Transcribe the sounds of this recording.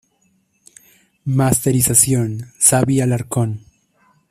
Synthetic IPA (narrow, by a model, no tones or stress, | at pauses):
mast̪eɾisasjonsaβialaɾkon